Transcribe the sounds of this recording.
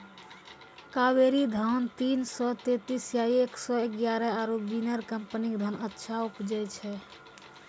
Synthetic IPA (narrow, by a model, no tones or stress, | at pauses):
kaweɾid̪ʱant̪insɔt̪et̪isjaieksɔeɡjaɾɛaɾobinəɾkəmpənikd̪ʱənətːʃʰaupd͡ʒət͡ʃʰɛ